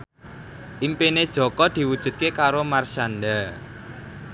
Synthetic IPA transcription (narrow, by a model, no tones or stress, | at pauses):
ʔimpined̥ʒ̥ɔ̤kɔd̪̥i̤wud̥ʒ̥ṳt̪̚kekaɾomarʃand̪a